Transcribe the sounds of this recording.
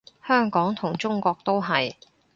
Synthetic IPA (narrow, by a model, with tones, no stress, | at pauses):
hœː˥ŋkɔː˨˥ŋt̪ʰʊ˨˩ŋt͡ʃʊ˥ŋkʷɔː˧k̚t̪o˥wɦɐ˨j